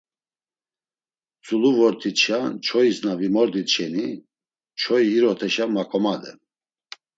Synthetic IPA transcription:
t͡sʼuluvɔɾt̪ʰit͡ʃʰat͡ʃʰɔisnavimɔɾd̪it͡ʃɛni | t͡ʃʰɔiːɾɔt̪ʰɛʃamakʼɔmad̪ɛ̰n

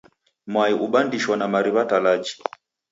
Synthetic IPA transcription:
mwaiʔuɓandiʃwanamaɾiβatalad͡ʒi̥

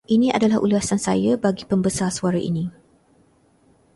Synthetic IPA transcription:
ʔinĩʔa̰dalahʔṵluasansa̰jabaɡipəmbəsarsuaɾaʔḭnĩ

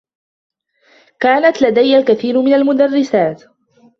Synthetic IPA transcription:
kaːnat̪lad̪ajːalkaθiːɾmɪnalmʊd̪arːɪsaːt̪

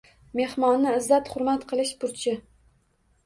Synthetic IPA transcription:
me̞hmɒnːɪɪzːat̪χʊɾmat̪qʰɨlˠɪʃpʰʊɾt͡ʃʰɪ

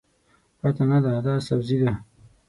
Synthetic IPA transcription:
pat̪anad̪ad̪ɑsabzid̪a

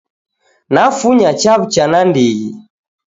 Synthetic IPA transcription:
nafuɲat͡ʃaβut͡ʃanandiɣi

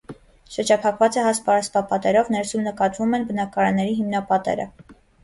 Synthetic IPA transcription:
ʃəɾd͡ʒɑpʰɑkʰvɑt͡sɛɦɑspɑspɑpɑt̪ɛɾɔvnɛɾsumnəkɑt̪vumɛnbənɑkɑɾɑnːɛɾiɦimnɑpɑt̪ɛ̰ɾə̰

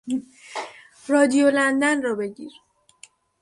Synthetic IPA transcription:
rɒːd̪ijolænd̪ænrɒːbe̞ɟiːɾ

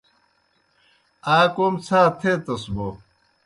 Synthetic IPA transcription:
aːkoːmt͡sʰaːt̪ʰeːt̪ɐsbo

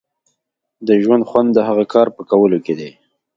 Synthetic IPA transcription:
d̪əʒwand̪xwand̪ːəɦaɣakɑɾpəkawəloked̪e

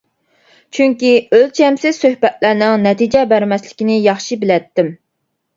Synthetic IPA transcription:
t͡ʃʰyŋkʲiølt͡ʃʰɛmsɪz̥søhbɛt̪̚læɾnɪŋnɛt̪id͡ʒɛbæɾmɛslɪkʲinɪjɑχʃibɪlɛt̪ːɪm

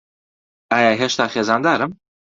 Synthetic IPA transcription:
aːjaːɦeʃt̪aːxeːzɑːnd̪aːɾɨm

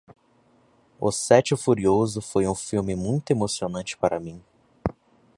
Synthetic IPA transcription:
ʊ̰sɛt͡ʃɪfuɾiozʊfojũfilwmɪmũj̃t̪ʊemosionɐ̃nt͡ʃɪ̥paɾʔɐmĩ

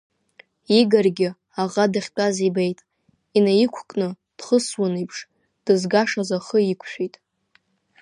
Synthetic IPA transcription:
iɡarɡʲɪ | aʁadaχʲtʼazibejtʼ | inajikʷʰkʼnɨ | d̥χəswanijpʰʂ | d̥ɨzɡaʂazaχəikʷʰʃᶣijtʼ

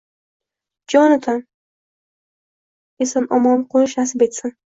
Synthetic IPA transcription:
d͡ʒɒnɪt̪ʰan | esanɒmɒnqʰonʃnasɪbet̪san

